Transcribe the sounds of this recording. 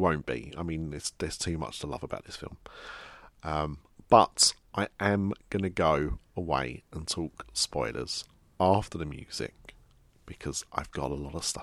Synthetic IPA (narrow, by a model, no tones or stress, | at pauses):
wə̃ʊ̃nb̥ḭaɪmĩnɪtsðəz̥tʰʉːmʌ̰t͡ʃtʰəlʌ̰vəba̰ʊʔ̪ðɪsfɪ̰lˠm | ʔʌ̃m | b̥ʌtʔaɪʔə̃mɡ̥ʌnəɡəʊəwḛɪə̃ntʰɔˑkspɔɪlʔə̰z̥ | ɑˑftəðəmjʉ̰ːz̥ɪ̰k̚ | b̥ɪkʰɒz̥ʔa̰ɪvɡɒ̰ɾəlɒɾəv̥stʌ